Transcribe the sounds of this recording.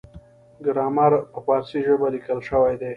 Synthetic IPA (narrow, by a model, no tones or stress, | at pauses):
ɡɾɑmaɾpəpɑɾsiʒəbalikəlʃəwajd̪e